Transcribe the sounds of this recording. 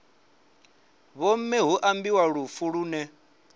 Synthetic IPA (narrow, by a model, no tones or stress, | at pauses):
βɔmɛɦuʔambiwaɺufuɺuːnɛ